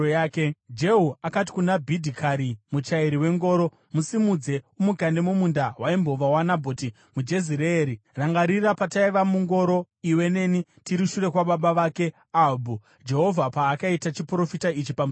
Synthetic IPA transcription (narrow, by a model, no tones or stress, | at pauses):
aːked͡ʒe̞ɦuakat̬i̥kunabʱidʱikʰaɾimut͡ʃaiɾiwe̞ŋɡo̞ːɾo̞ | musimud͡ze̞umukande̞mumundawaimbo̞ʋawanabʱoːti | mud͡ʒe̞ziɾeɾiraŋɡaɾirapataiʋamuŋɡo̞ɾo̞ | iwe̞ne̞nitiɾiʃuɾe̞kwaɓaɓaʋaːke̞ | abʱu | d͡ʒe̞ɦo̞vʱapaːkaitat͡ʃipuɾo̞fitait͡ʃipamu